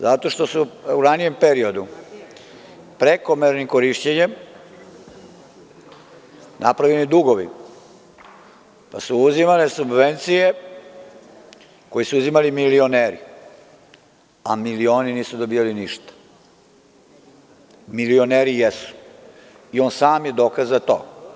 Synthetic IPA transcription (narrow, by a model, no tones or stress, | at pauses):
zat̪o̞ʃt̪o̞suuɾanije̞mpeɾio̞d̪u | pɾeko̞meɾnimko̞ɾiʃt͡ɕeɲe̞m | nʔapɾaʋʎenid̪uɡo̞ʋḭ | pa̰suuzimalesubʋe̞nt̪sije̞ | ko̞jesuuzimalimilio̞neːɾḭ | amilio̞ːniniːsud̪o̞bijaliniʃt̪ḁ | milio̞neːɾijesu̥ | io̞ːnsaːmje̞d̪o̞ːkazat̪o̰ː